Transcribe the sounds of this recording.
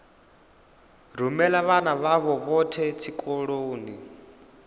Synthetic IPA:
r̤umɛlaβanaβaβɔβɔtʰɛtʰikʼoɺoːni

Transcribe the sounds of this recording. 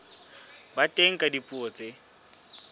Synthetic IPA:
batʼeŋ̩kʼadipʼuot͡sʼe

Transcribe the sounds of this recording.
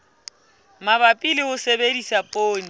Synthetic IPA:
maβapʼilɪhʊsebedisapʼoːni

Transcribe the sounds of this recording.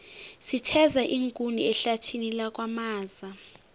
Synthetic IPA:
sitʰɛzaʔiŋkʼuniɛɬatʰinilak̬ʼwamaːza

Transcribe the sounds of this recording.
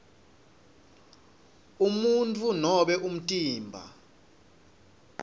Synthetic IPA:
umuntʼunɔɓɛʔum̩tʼiːmbʱa̰

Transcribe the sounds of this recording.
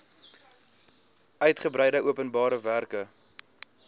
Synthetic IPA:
œɥtχəbɾɛjdəʔuəpənbɑːɾəværkə

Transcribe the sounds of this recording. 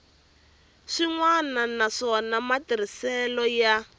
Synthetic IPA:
ʂiŋwananaʂɔnamatiɾisɛlɔja

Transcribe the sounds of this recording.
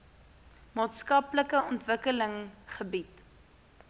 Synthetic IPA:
mɑːtskɐpləkəɔntvəkələŋχəbit

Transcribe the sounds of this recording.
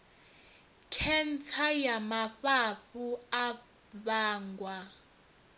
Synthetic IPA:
kʰɛnt͡sʰajamaɸaɸua | βaːŋɡwa

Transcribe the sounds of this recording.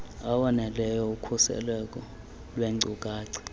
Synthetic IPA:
awɔnɛlɛjɔukʰusɛ̰lwɛk̬ʼɔ | lweŋ͡ǀʱukʼaːǀi̥

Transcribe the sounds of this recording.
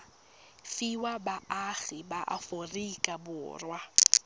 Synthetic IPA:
fiwabaaɣibaʔa̰forikʼabʊ̰ːrwa

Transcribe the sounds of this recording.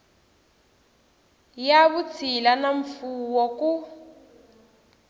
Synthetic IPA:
jaβut͡sʰilanaɱfuwɔku

